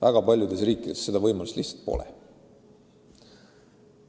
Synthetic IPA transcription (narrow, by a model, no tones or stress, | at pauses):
væɡ̥ɑpɑlʲjud̪e̞sriːkːˑid̪̥esse̞d̪ɑvɤjmɑlust̪lihsɑ̥lt̪̚po̰lɛ̰